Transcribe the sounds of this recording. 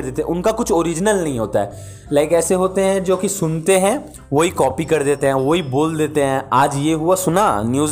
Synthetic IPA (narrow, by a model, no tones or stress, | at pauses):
ɾd̪eːt̪eɛ̰̃ʔʊnkakʊt͡ʃʰoːɾɪd͡ʒnəlnɐɦĩɦoːt̪aɦɛ̰ː | lɛːɪkɛːseɦoːt̪eɦɛ̃d͡ʒoːkisʊnt̪eɦɛ̃ː | ʋoɦikɔːpikɐɾd̪eːt̪eɦɛ̃ːʋoiboːld̪eːt̪eɦɛ̃aːd͡ʒjeːɦʊasʊnaːnjuːz